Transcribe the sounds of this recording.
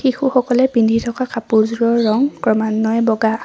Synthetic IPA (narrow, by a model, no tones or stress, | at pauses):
xixuxɔkɔlɛpindʱitʰɔkakapuɹzɹɔɹːɔŋkɹɔmanːɔɛbɔɡa